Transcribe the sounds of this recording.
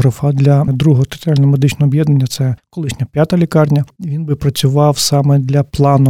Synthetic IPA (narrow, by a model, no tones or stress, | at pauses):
ɦɾɐfɑd̪lʲɐd̪ɾuɦɔɦɔt̪e̥t̪alʲnɔɔmed̪ɪt͡ʃnɔɦɔːbjɛd̪nenʲːɐt̪sɛkɔlˠɪʃnʲɐpʲjat̪ɐlʲikɑrnʲɐʋʲinbɪpɾɐt͡sʲʊʋɑwsɑmɛd̪lʲɐplˠɑnʊ